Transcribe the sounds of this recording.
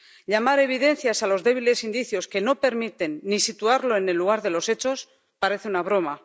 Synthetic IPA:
ʎamaɾe̞β̞iðe̞n̟θjasalo̞zðe̞β̞ile̞sind̪iθjo̞ske̞no̞pe̞ɾmit̪e̞nːisit̪uaɾlo̞ene̞lːuɣ̞aɾðe̞lo̞se̞t͡ʃo̞s | paɾe̞θeunaβ̞ɾo̞ma

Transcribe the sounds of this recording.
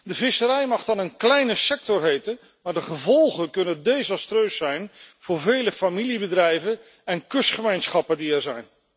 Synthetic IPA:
dəvɪsəɾɛjmɑχdɑnənklɛjnəsɛk̚tɔrɦejtən | maːɹdəχəvɔlˠχənkɵnəndejzɑstrøɥsɛjnv̥ʊːɹvejləfamilibədrɛjvən | ɛnkɵsχəmejnsχɑpəndiɛɹzɛjn

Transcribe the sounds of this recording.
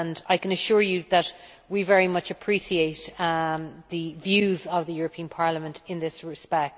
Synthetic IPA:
naɪkə̃nəʃʊɹjɨðət̚ | wivɛɹimʌt͡ʃəpʰɹ̥isieɪt | ðɨvjʉːzəvðəjʊɹəpʰĩə̃npʰɑɹləmə̃ntʰɪ̃nðɪsɹɪspɛk̚t

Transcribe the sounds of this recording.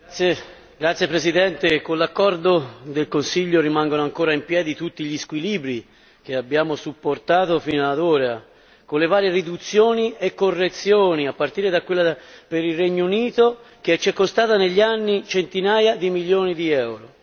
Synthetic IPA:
e | ɡɾat̪sjepɾesid̪ɛnt̪ekonlakːɔrd̪od̪elkonsiʎːorimaŋɡonoaŋkoːɾaimpjɛːd̪it̪ut̪ːiʎiskwiliːbɾi | keabːjaːmosupːort̪aːt̪ofiːnoad̪oːɾa | konlevaːɾjerid̪ut̪sːjoːniekːorːet̪sjoːniapːart̪iːɾed̪akwelːapeɾilrɛɲːouniːt̪o | k̟eɛt͡ʃːɛkːost̪aːt̪aneʎːanːit͡ʃent̪inaːjad̪imiljoːnid̪iɛwɾo

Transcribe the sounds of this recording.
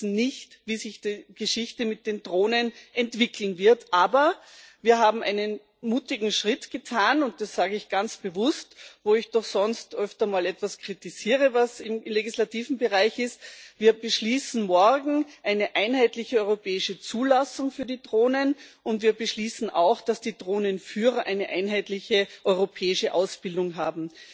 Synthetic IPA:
n̩nɪçtviːzɪçd̥iːɡ̥əʃɪçtəmɪt̚d̥eːndʁoːnənʔɛntv̥ɪkl̩n̩vɪɐtʰʔaːbɐ | viːɐɦaːbm̩ʔa̰ɪnən | muːtɪɡŋ̩ʃʁ̥ɪtɡ̥ətʰaːnʊnt̚d̥asz̥aːɡəɪçɡ̥ant͡sb̥əvʊstvoːɪçd̥ɔχsɔnstʔœftɐmaːlɛtv̥askʁ̥itɪziːʁəvasɪmleɡislatiːvn̩bəʁaɪçɪstviːɐbəʃliːsn̩mɔɐɡŋ̩ʔaɪnəʔaɪnhaɪtlɪçəɔʏʁopʰɛːɪʃət͡suːlasʊŋfyːɐdiːdʁoːnənʔʊntviːɐbəʃliːsn̩a̰ʊxd̥asd̥iːdʁoːnənfyːʁɐʔaɪnəʔaɪnɦaɪtlɪçəʔɔʏʁopʰɛːɪʃəʔaʊsb̥ɪldʊŋɦaːbm̩

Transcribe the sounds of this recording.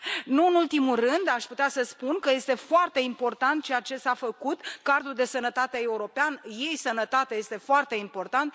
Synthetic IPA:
nuɨnult̪imulrɨnd̪aʃput̪easəspunkəje̞st̪e̞foart̪e̞impo̞rt̪ant̪̚t͡ʃe̞jat͡ʃe̞safəkut̪kard̪ɾuld̪e̞sənət̪at̪e̞euɾo̞peanje̞jsənət̪at̪eaje̞st̪e̞foart̪e̞impo̞rt̪ant̪̚

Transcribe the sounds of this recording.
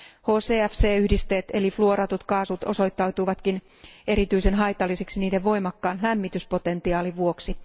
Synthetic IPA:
hoːseːæfseːyhdist̪eːt̪elifluoɾɑt̪ut̪kɑːsut̪o̰so̞jt̪ːɑwt̪uʋɑt̪kin | e̞ɾit̪yisenɦɑjt̪ɑlːiseksiniːdeʋʋo̞jmɑkːɑːnlæmːit̪yspo̞t̪e̞nt̪iɑːliʋuo̞ksi

